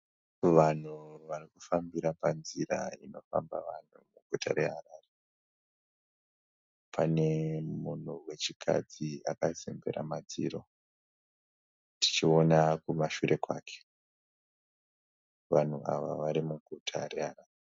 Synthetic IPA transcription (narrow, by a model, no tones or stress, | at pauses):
ʋan̤uʋarikufambiɾapanziɾa̰ino̞famba̰ʋan̤umuɡʱuta̰ɾe̞ɦaraːre | pʰane̞mun̤uwe̞t͡ʃikʰa̰d͡ziakazembe̞̰ɾa̰mad͡ziːɾo̞ | ti̥t͡ʃio̞nakumaʃuɾe̞kwaːkʰe̥ | ʋan̤uʔaʋa̰ʋaɾimuɡʱutʰare̞ɦaɾaːre